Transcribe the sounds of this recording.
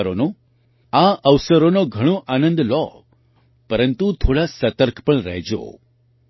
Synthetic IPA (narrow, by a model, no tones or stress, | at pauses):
ɾono | aʔəʋsəɾonoɡʱəɽ̃õʔanə̃nd̪lɔ̰ | pəɾənt̪ut̪ʰoɽasət̪əɾkʰpəɳɾəɦd͡ʒo̰